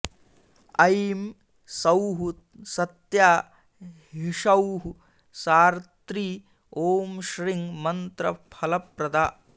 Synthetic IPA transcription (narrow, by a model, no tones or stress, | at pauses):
ɐjm | sɐwɦu | sɐt̪jaː | ɦɦiʂɐwɦu | saːɾt̪ɾiː | oːmʃɾiŋmɐnt̪ɾɐpʰɐlɐpɾɐd̪aː